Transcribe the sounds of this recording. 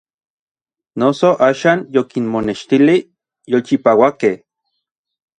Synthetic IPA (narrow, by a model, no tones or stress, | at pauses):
nosoʔaːʃaːnjokinmoneʃt̪ili | jolt͡ʃipaːwakeh